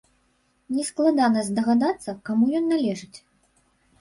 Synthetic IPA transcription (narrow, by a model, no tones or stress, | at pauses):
nʲɛsklˠad̪anɐzʲd̪ɐɣad̪at̪sːɐkamujɔnːalʲɛʐɨt͡sʲ